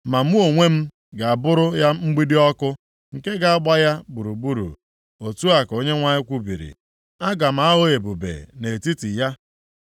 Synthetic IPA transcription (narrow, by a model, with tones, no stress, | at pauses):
ma˨m̩˦u˦o˨ŋʷe˦m̩˦ | ɡa˨a˨bʊ˦ɾʊ˦ja˦m̩˦ɡ͡bi˦di˦ɔ˦kʊ˦ | ŋ̩˨ke˦ɡa˨a˦ɡ͡ba˦ja˦bu˨ɾu˨bu˦ɾṵ˨ | o˨tu˦a˨ko˨ɲe˦ŋʷa˦ɲɪ˦kʷu˦bḭ˨ɾḭ˨ | a˦ɡa˨m̩˨a˦ɦo˦e˨bu˨bḛ˨ne˨ti˦ti˨ja˦